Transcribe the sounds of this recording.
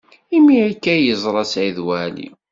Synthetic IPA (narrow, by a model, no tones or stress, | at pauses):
imːiækːæjəzˤɾˤɑsʕiðwælḭ